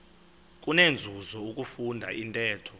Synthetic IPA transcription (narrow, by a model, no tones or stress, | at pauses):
k̬ʼunend͡zʱuzɔuk̬ʼufundʱa̰ʔintʼɛːtʰɔ